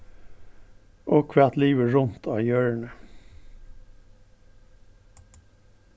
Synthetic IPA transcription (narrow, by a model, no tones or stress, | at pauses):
ʔoːkʰʋæt̪liːʋəɹʊnt̪ʰɑːjœːɹɳə